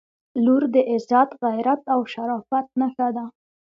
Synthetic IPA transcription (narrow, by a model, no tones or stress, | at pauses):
luɾd̪əʔɪzat̪ɣajɾat̪awʃaɾɑfat̪̚nəxad̪a